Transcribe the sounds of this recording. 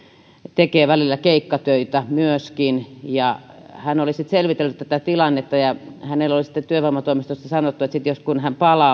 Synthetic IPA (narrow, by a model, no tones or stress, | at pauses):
t̪ekeːʋælilːækeikːɑt̪øit̪æmyøskinjɑhænolisit̪selʋit̪elːut̪t̪æt̪æt̪ilɑnːet̪ːɑjɑhænelːolisĭ̥t̪ːet̪yøʋɑmɑt̪oimist̪ost̪ɑsɑnot̪ːuet̪sit̪joskunhæmpɑlɑ